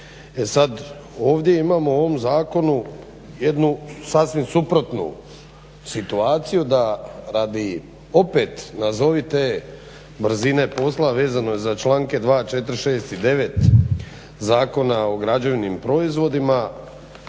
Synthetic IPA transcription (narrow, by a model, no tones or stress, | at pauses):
e̞sad̪o̞ːʋd̪je̞imaːmoo̞ʋo̞mzaːko̞nu | je̞d̪nusasʋimsupɾo̞t̪nṵ | sit̪uaːt̪sijud̪aɾad̪i | o̞pe̞t̪nazo̞ʋit̪eː | bɾ̩zine̞po̞slaʋe̞ːzano̞jezat͡ʃlaːŋke̞d̪ʋaːt͡ʃe̞t̪ɾʃe̞ːst̪id̪e̞ʋe̞t̪ | zaːko̞nao̞ɡɾad͡ʑeʋinimpɾo̞izʋo̞d̪ima